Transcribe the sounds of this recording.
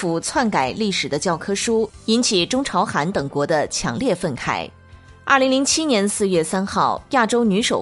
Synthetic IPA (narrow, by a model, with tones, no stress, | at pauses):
fu˨˩t͡sʰwa˥˩nka˨˩ɪli˥˩ʂɻ̩˨˩d̪ə˦t͡ɕjɑ˥˩ʊkʰɤ˥ʂu˥i˥nt͡ɕʰi˨˩ʈ͡ʂʊ˥ŋʈ͡ʂʰɑ˧˥ʊxa˧˥nt̪ɤ˨˩ŋkwɔ˧˥d̪ə˧t͡ɕʰjɑ̰˧˥ŋljɛ˥˧fə˥˩nkʰa̰˥˩ɪ | ɐ̰˥˩li˧˥ŋli˧˥ŋt͡ɕʰi˥njɛ˧˥nsɹ̩˥˧ɥɛ˥˩sa˥nxɑ˥˩ʊja˥˩ʈ͡ʂo˥ʊny˧˥ʂo˨˩